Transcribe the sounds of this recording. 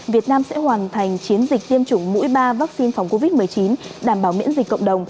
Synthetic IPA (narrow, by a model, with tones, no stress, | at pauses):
vi˨˩ət̚naː˧msɛ̰˧˥hwaː˨˩nt̪ʰa˨˩jŋ̟t͡ɕi˨˦ənzi˨˩k̟̚t̪i˧əmt͡ɕʊ˧˩ŋ͡mmṵ˧˥jɓaː˧vaː˦˥k̚si˧nfa˨˦wŋ͡mko˧vi˦˥t̚mɨ˨˩əjt͡ɕi˨˦nɗaː˧˩mɓaː˧˩wmḭ˧˥ənzi˨˩kkːə̰˧˨wŋ͡mɗə˨˩wŋ͡m